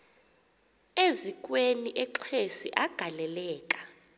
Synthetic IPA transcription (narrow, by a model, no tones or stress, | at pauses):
ezikʼweniʔɛǁʰesḭʔaɡ̥ʱalɛlɛːkʼḁ